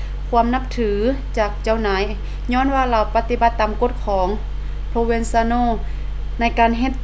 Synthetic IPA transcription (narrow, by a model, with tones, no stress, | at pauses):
kʰu˧əmna˧˥p̚t̪ʰɯː˩˦t͡ɕaː˨˩k̚t͡ɕa˧˩wnaː˨˦j | ɲɔː˧˥˨nwaː˧la˧˩wpa˧t̪i˧ba˧˦t̪ːaː˨mko˧˥˩t̪̚kʰɔː˩˦ŋ | pʰoː˧weː˧˥˨nsaː˧noː˧˥˨ | na˧˥˩jkaː˨nɦe˧t̪̚